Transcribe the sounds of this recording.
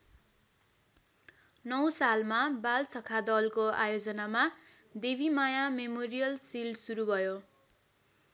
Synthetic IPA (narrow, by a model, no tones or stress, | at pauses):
nʌw̃salmabalsʰʌkʰad̪ʌlkoajod͡zʌnama | d̪ebʱimajamemorijʌlsilɖsuɾubʱʌjo